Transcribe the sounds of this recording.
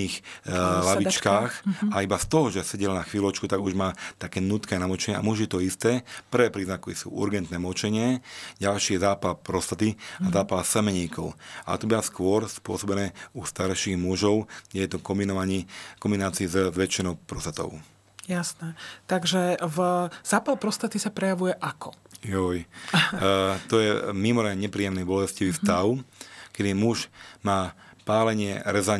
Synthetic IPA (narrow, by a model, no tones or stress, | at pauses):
iːxlaʋit͡ʃkaːxaibast̪ɔɦɔʒɛsɛɟɛlnaxʋiːlɔt͡ʃkut̪aɡuʒmaːt̪akɛːnuːt̪kiajnamɔt͡ʃɛɲɛa̰muʒiɛt̪ɔist̪ɛːpr̩ʋɛːpɾiːznakisṵːʔṵɾɡɛnt̪nɛmɔt͡ʃɛɲɪɛɟalʃijɛzaːpalpɾɔst̪at̪iazaːpalsɛmɛɲiːkʰɔʊa̰t̪ɔbiaskʊɔɾspʊɔsɔbɛnɛːust̪aɾʃiːɣmuʒɔʊɡɟɛjɛt̪ɔkɔminɔaɲkɔmbinaːt͡siːzzʋɛt͡ʃːinɔʊpɾɔst̪at̪ɔ̰ʊ | jasnɛt̪aɡʒɛvz̥aːpalpɾɔst̪at̪isapɾɛjaʋujɛʔakʰɔjɔj | t̪ɔjɛmimɔɾaɲɛpɾiːjɛmnɛbɔlɛsciʋist̪aʊkɛd̪imuʒmaːpaːlɛɲɪɛɾɛza